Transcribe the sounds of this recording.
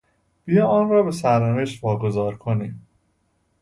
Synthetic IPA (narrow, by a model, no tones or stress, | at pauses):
b̥ijɒːɒːnrɒːbe̞sæɾneveʃt̪vɒːɡo̞zɒːɾkʰoniːm